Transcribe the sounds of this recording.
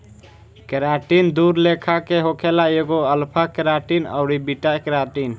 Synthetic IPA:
keɾaʈind̪uɾlekʰakeɦokʰelaeɡoəlpʰakəɾaʈinə̰ʊɾibiʈakəɾaʈin

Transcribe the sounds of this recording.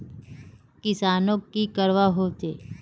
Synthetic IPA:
kɪsaːnõkːikəɾʋaɦot̪e

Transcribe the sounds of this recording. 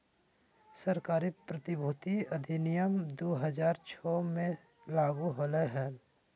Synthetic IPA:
səɾkaːɾipɾət̪ibʱuːt̪iɐd̪ʱinijəmd̪oːɦəd͡ʒaːɾt͡ʃʰɔːmẽ | laːɡuɦoːləɦɛːl

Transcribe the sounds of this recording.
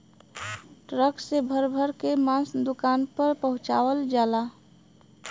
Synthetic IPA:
ʈɾəksebʱəɾbʱəɾkemãsd̪ʊkaːnpəɾpəɦʊ̃t͡ʃa̰ːʋəld͡ʒaːla

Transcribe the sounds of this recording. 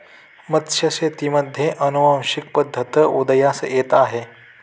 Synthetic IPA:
mət̪ɕəset̪iməd̪ʱjeʔənuʋãmɕik̚pəd̪ʱːət̪əud̪əjasjet̪aɦe

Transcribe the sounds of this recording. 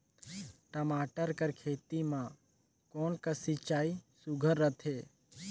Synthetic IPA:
ʈəmaːʈəɾkəɾkʰeːt̪imã | koːnkəsit͡ʃaːisuɡʱəɾːət̪ʰeː

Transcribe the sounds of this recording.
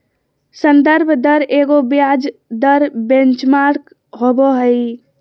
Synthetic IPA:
sənd̪əɾbʱd̪əɾeːɡobjad͡ʒd̪əɾbẽnt͡ʃmaɾk | ɦoboɦəi

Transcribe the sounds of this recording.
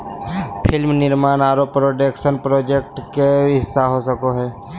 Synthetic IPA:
pʰɪlmnɪɾmaːnaːɾopːɾoːʈekʃənpɾoːd͡ʒek̚ʈkeɦɪsːaɦosəkoɦɛː

